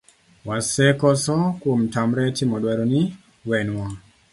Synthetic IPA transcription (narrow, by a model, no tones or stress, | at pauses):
wasɛkɔsɔkwomtamɾɛtimɔdwɛɾɔni | wɛnwa